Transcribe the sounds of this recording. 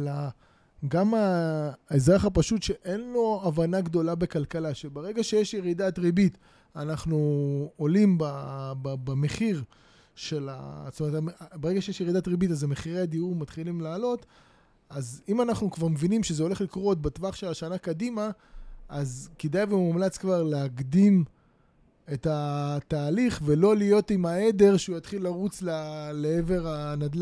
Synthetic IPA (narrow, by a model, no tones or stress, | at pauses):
ala | ɡamaezʁaχapaʃutʃeʔenlo̞avanaɡd̪o̞labe̞kalkalaʃebeʁe̞ɡaʃejeʃjeʁidat̪ʁibit | anaχnuolimbabbame̞χiʁ | ʃe̞la̰stometamebeʁeɡaʃejeʃjeʁid̪atʁibitazemeχiʁead̪iuʁmat̪χilimlaːlo̞t̪ | azimanaχnukvaʁmevinimʃezeo̞le̞χlikʁo̞t̪̚batvaχʃe̞laʃanakadimaazkidajveumumlat͡skvaʁleaɡd̪im | e̞tat̪aːliχvelo̞lijo̞timae̞de̞ʁʃeujat̪χilːaʁut͡slaleeve̞ʁanad̪la